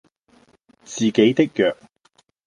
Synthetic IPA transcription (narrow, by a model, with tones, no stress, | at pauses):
t͡siː˨ke˨˥jt̪ɪ˥k̚jœː˨k̚